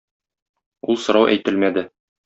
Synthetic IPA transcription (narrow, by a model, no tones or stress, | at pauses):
ulˠsŏɾɑwʔæ̰jt̪ɘlmæd̪ɘ